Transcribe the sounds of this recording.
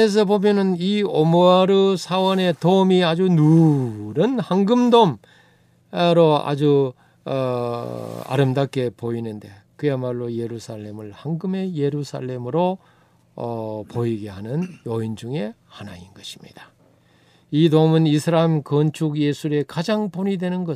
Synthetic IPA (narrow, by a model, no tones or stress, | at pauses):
es̬ʰʌbomjʌnɯniomoaɾɯsʰawʌne̞toɯmiad͡ʑununɯnhaŋɡɯmdom | ɾoa̰d͡ʑu | ʌ | a̰ɾɯmdak͈e̞poinɯnde̞̰ | kɯjamaɭːoje̞ɾusʰaɭːe̞mɯɭhaŋɡɯme̞je̞ɾusʰa̰ɭːe̞mɯɾo | ʌpoiɡe̞ɦanɯnjoind͡ʑuŋe̞ | hanainɡʌɕʰi̥mɲḭd̥ḁ | itomɯnisʰɯɾaimkʌnt͡ɕʰuɡje̞sʰuɾe̞kad͡ʑaŋponidwe̞nɯnɡʌ